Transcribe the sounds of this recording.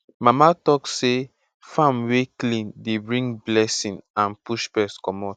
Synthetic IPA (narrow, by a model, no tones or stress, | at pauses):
mamatɔkse | fãmweklĩndebɹĩŋɡblɛsĩnãnpuʃpɛskɔmɔt